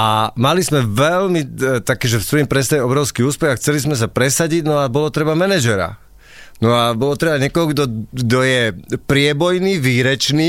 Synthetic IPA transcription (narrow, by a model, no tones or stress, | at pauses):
amalizmɛʋɛlmit̪akɛːʒɛfsʋɔjimpɾɛs̬t̪ajɛɔbɾɔʊskiːuːspɛɣaxt͡sɛlizmɛs̬apɾɛsaɟiɟnɔabɔlɔt̪ɾɛbamɛnɛʒɛɾa̰ | nɔabɔlɔt̪ɾɛbaɲɪɛkɔɦɔɡd̪ɔɡd̪ɔjɛpɾɪɛbɔjniːʋiːɾɛt͡ʃniː